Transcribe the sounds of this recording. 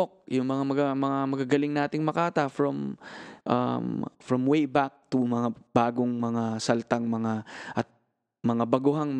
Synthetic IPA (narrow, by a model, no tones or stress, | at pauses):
ok̚jʊŋmɐŋamɐɡamɐŋamɐɡaɡɐlɪŋnaːt̪ɪŋmɐkaːt̪ɐfɹɔmʔɐ̰mfɹɔmwejbak̚t̪ʊmɐŋab̥aːɡoŋmɐŋasɐlt̪aŋmɐŋaʔɐt̪̚ | mɐŋabɐɡʊɦaŋ